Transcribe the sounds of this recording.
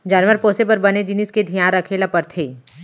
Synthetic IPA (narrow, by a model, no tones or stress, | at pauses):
d͡ʒaːnʋəɾpoːsepɐɾbɐned͡ʒɪnɪsked̪ʱijãːɾɐkʰelapɐɾt̪ʰeː